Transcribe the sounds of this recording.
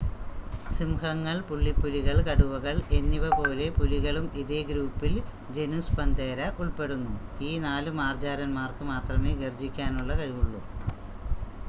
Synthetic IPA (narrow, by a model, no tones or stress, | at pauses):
simhɐŋːɐɭpuɭːipːuliɣɐɭkɐɽuʋɐɣɐɭe̞nːiʋɐpo̞ːle̞puliɣɐɭumiðe̞ɡɾuːpːil | d͡ʑe̞nuspɐnd̪eːɾɐʔuɭpe̞ɽunːuiːnaːlumaːrd͡ʑaːɾɐnmaːrkɨmaːt̪rɐmeːɡerd͡ʑikʲːaːnuɭːɐkɐɻiʋuɭːu